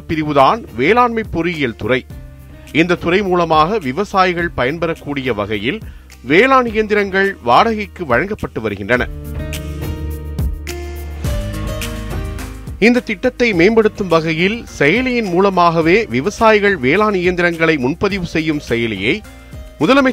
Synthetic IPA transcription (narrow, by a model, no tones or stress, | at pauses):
ɐpːɪɾɪʋɯðaːnʋeːlaːɳmɐɪpːɔɾɯjɪjɐlt̪ʊrɐɪ | ɪnd̪ɐt̪ːʊrɐɪmuːlɐmaːɣɐʋɪʋɐsaːjɪɣɐɭpɐjɐnbɐɾɐkːuːɽɪjɐʋɐɣɐjɪl | ʋeːlaːnɪjɐnd̪ɪɾɐŋɡɐɭʋaːɽɐɣɪkːɯʋɐɻɐŋɡɐpːɐʈːɯʋɐɾɯɣɪndrɐnɐ̰ | ɪnd̪ɐt̪ːɪʈːɐt̪ːɐɪmeːmbɐɽɯt̪ːɯmʋɐɣɐjɪlsɛjɐlɪjɪnmuːlɐmaːɣɐʋeːʋɪʋɐsaːjɪɣɐɭʋeːlaːnɪjɐnd̪ɪɾɐŋɡɐɭɐɪmʊnpɐðɪʋɯsɛjːɯmsɛjɐlɪ̰jɐɪ | mʊðɐlɐmɐ